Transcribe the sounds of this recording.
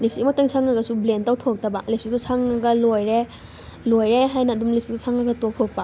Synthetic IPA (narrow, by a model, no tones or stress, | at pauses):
lip̚ʰsimɐtaŋsʰaŋːɐɡɐsublentawtʰok̚tɐbɐlip̚ʰsik̚susʰaŋaɡɐlojɾe | lojɾeɦajnɐːdumlip̚ʰsiksusʰaŋɐɡɐtok̚tʰok̚pɐ